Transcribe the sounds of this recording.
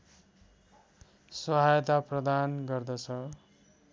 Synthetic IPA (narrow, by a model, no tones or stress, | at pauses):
sʌɦajt̪aprʌd̪anɡʌrd̪ʌt͡sʰʌ